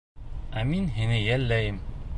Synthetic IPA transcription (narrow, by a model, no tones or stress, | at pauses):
æminɦinɘjælːæjɘm